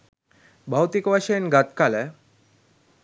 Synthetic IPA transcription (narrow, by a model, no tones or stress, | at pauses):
bʱawt̪ikʋaʃenɡat̪kalɛ